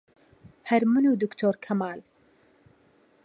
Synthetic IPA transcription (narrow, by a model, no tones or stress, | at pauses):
hɛɾmɨnuːd̪ukt̪ʰoːɾkʰɐmaːl